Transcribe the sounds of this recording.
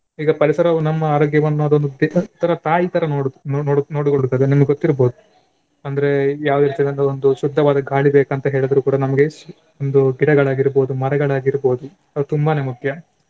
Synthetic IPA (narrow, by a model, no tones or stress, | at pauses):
iːɡɐpɐɾisɐɾɐunɐmːɐaːɾoːɡjɐʋɐnːuɐd̪ond̪ud̪et̪ːɐɾɐt̪aːjiːt̪ɐɾɐnonːnoːɽukoɭut̪ːɐd̪enimɐɡeɡot̪ːiɾbo̞ːd̪u | ɐnd̪ɐɾe̞jaːʋud̪eɾiːt̪iɐd̪ɐnd̪ɐond̪uʃud̪ʱːɐʋaːd̪ɐɡʱaːɭibeːkɐnt̪ɐɦe̞ːɭid̪ɐɾuːkuːɽɐnɐmɐɡe | ond̪uɡiɽɐɡɐɭaːɡiɾboːd̪umɐɾɐɡɐɭaːɡiɾbo̞ːd̪u | ɐd̪ut̪umbaːne̞ːmukʰjɐ